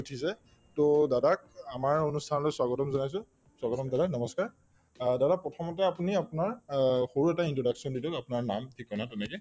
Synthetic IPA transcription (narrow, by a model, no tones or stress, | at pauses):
utʰisɛ | todadak̚amaɹonustʰanɔlojswaɡɔtɔmzɔnajs̬ʊ̃ | swaɡɔtɔmdadaknɔmɔskaɹ | dadapɔtʰɔmɔtɛapuniapunaɹxoɹuɛtaintɹɔdaksɔndidɔkapunaɹna̰mtʰikʰːɔnatunɛkɛ